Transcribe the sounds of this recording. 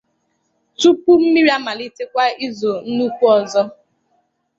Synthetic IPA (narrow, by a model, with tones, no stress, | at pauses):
tu˦pu˦m̩˦mi˦ɾi˦a˦ma˨li˦te˦kʷa˦i˦zo˨n̩˦nu˦kʷu˦ɔ˨zɔ˦